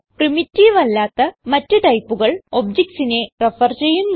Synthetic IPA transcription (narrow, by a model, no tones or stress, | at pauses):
primitːiːʋɐlːaːt̪ːɐmɐtːuʈ̪ɐjpːuɣɐɭo̞b̚d͡ʑeksine̞refɐrt͡ɕe̞jːumː